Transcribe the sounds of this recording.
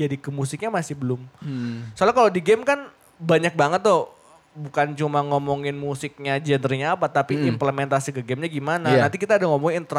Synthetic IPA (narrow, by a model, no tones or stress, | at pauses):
adikəmusɪk̚ɲamasɪhbəlʊmsolakalodiɡɛmkan | baɲak̚baŋət̪ːoh | bukant͡ʃumaŋɔmɔŋɪnmusɪk̚ɲad͡ʒɛndərɲaːpat̪apiimpləmɛnt̪asikəɡɛmɲaɡimananant̪ikit̪aːdaŋɔmɔŋint̪əɾ